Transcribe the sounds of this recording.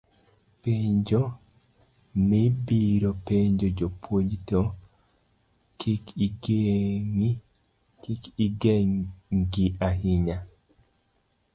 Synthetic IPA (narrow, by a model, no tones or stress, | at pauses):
peɲd͡ʒo | mebiɾopeɲd͡ʒod͡ʒopʰwod͡ʒto | kʰikiɡeŋi | kikiɡɛŋŋɡiaɦiɲa